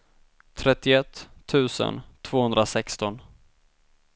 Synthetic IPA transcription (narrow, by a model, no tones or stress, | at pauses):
t̪ʰɾɛt̪ːɪɛt̪ʰːʉ̟ːsə̰nt̪ʰv̥oːhɵnd̪ɾasɛkst̪ɔn